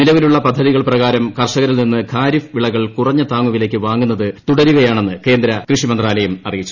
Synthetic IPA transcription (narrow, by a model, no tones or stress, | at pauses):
nilɐʋiluɭːɐpɐd̪ʱːɐðiɣɐɭprɐɣaːɾɐmkɐrʂɐɣɐɾilninːɨkʰaːɾifʋiɭɐɣɐɭkurɐɲːɐt̪aːŋːuʋile̞ːkːɨʋaːŋːunːɐðɨt̪uɽɐɾuɣɐjaːɳe̞nːɨke̞ːnd̪ɾɐkrɨʂimɐnd̪raːlɐjumɐrijit͡ɕːu